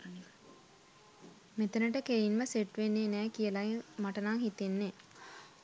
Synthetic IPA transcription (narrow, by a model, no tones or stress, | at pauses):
met̪ənəʈəkeinməseʈʋenːeːnɛːkijəlaemaʈənaŋɦit̪enːe